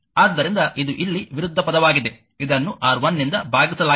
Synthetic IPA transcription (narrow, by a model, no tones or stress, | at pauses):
aːd̪ːɐɾind̪ɐʔid̪uʔilːiʋiɾud̪ʱːɐpɐd̪ɐʋaːɡid̪e̞ | id̪ɐnːuʔaːɾʋɐnːind̪ɐbʱaːɡisɐlaː